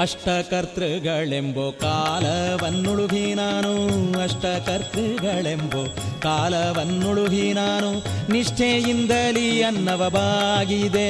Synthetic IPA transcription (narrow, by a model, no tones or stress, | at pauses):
ɐʂʈɐkɐɾt̪ɾɐɡɐɭemboːkaːlɐʋɐnːuɭubʱinaːnuɐʂʈɐkɐɾt̪ɾɨɡɐɭemboː | kaːlɐʋɐnːuɭuʋʱinaːnuniʂʈʰeːjind̪ɐliɐnːɐʋɐbʱaːɡid̪e